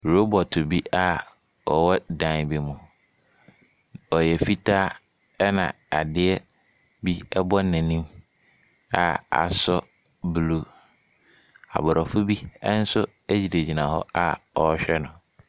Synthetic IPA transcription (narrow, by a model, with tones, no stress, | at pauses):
ɾo˦bɔ˨tʰʊ˨bi˦a˦ | ɔ˨wɔ˦dã˨n˨be˨mũ˨ | ɔ˨jɛ˨fi˦tʰaː˦ | ɛ˦nã̰˨ | a̰˨dɪ˦ɛ˦ | bi˦ɛ˦bɔ˦nːɛ̃˨nĩ˦m | a˨a̰˨sɔ˦ | blu˦ | a̰˨bɔ˨ɾɔ˨fʊ˦bi˦ɛ˦n̩˦sʊ˦ | e˦d͡ʑi˨de˨d͡ʑi˨nã˨hɔ̰˦a˦ɔ˨˦ɕᶣɛ˦nʊ̃˨